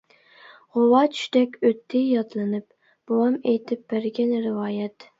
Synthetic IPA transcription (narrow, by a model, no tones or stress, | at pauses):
ʁowɑt͡ʃʰy̥ʃd̪ɛkʲøt̪ʰːɪjɑt̪lˠɨnɨp̚ | b̥owɑmejt̪ʰɪp̚b̥æɾɡʲɛnɾɪvɑːjɛt̪